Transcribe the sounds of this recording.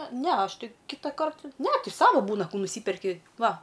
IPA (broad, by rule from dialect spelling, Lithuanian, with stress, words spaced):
ˈnʲɛ ˈɐʃ ˈtʲɪ ˈkʲɪtɐkɐrt nʲɛ ˈtʲɪ ˈsɑːʋɐ ˈbuːnɐ ˈkuː nʊˈsʲiːpʲɛrʲkʲɪ ˈʋɐ